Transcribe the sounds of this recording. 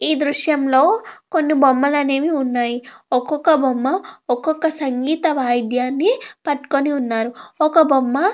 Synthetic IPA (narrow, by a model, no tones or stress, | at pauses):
iːd̪ɾuʂjɐmlo̞ːko̞nːibomːɐlɐneːmiunːaːjiɔkɔkːɐbomːɐɔkɔkːɐsɐŋɡiːt̪ɐʋaːjd̪ʱjaːnːipɐʈːu̥koniunːaːɾuɔkɐbʱomːɐ